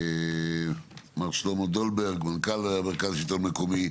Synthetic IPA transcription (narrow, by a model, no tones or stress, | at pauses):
maʁslomod̪olbeʁɡmankalameʁkazʃit̪olmekomi